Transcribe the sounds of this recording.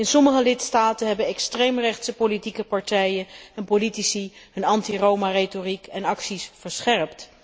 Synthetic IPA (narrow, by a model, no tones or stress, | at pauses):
ɪnsɔməχəlɪtstaːtənɦɛbənɛkstrejmrɛχtsəpolitikəpɑɹtɛjənɛnpolitisiɦɵnɑntirowmaretorikɛnɑksisfəɹsχɛɹpt